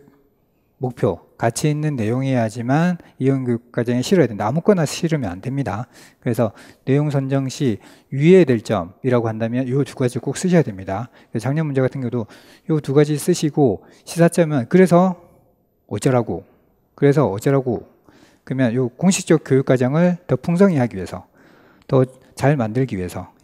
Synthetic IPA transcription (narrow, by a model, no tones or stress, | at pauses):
mok̚pʰjokat͡ɕʰiinːɯnːe̞joŋiɦejad͡ʑimaniʌnɡjojuk̚k͈ad͡ʑʌŋeɕʰiɾʌjadwendaːmuk͈ʌnaɕʰiɾɯmia̰nde̞mɲida | kɯɾe̞sʰʌne̞joŋsʰʌnd͡ʑʌŋɕʰi | iedwe̞ɭt͡ɕ͈ʌmiɾaɡoɦandamjʌnjotuɡad͡ʑik͈ok̚s͈ɯɕʰʌjadwe̞mɲida | et͡ɕaŋɲʌnmund͡ʑe̞ɡatʰɯnɡjedo | jotuɡad͡ʑis͈ɯɕʰiɡo | ɕʰisʰat͡ɕ͈ʌmjʌnkɯɾe̞sʰʌ | ʌt͡ɕʌɾaɡo̰ | kɯɾe̞s̬ʰʌʌt͡ɕ͈ʌɾaɡo | kɯɾʌmjʌnjokoŋɕʰi̥k̚t͡ɕ͈ʌk̚k͈jojuk͈ad͡ʑʌŋɯɭtʌpʰuŋs̬ʰʌŋiɦaɡiɥiesʰʌ̰ | tʌ | t͡ɕaɭmandɯɭɡiɥiɦe̞sʰʌ